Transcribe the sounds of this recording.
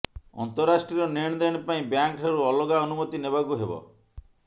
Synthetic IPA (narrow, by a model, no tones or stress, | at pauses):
ɔ̰nt̪ɔɾːasʈɾiɾɔneɽ̃d̪eɽ̃paĩbjaŋkʈʰaɾuɔloɡaɔnumɔt̪inebakuɦebɔ̰